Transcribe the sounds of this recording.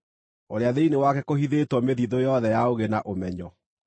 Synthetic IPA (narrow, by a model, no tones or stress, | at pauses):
oɾeaðeinewakɛkohiðetwɔmeðiðojɔðɛjaoɣenaʔomɛɲɔ